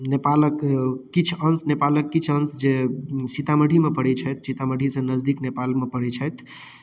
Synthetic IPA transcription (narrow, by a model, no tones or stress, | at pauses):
nepaləkːit͡ʃʰənsnepaləkːit͡ʃʰənsd͡ʒesit̪aməɽʱimepəɽɛt͡ʃʰət̪sit̪aməɖʱisə̃nəd͡ʒd̪iknepalmepəɽɛt͡ʃʰəjt̪